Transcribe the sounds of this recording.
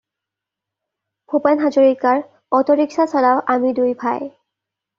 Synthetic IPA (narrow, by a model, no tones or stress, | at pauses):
pʰopanɦazoɹikaɹ | ɔtɔɹiksasɔlaʊʔamidujbʰʱaj